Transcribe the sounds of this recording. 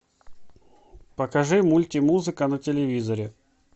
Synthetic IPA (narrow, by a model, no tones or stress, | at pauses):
pəkɐʐɨmulʲtʲɪmuzɨkənətʲɪlʲɪvʲizəɾʲɪ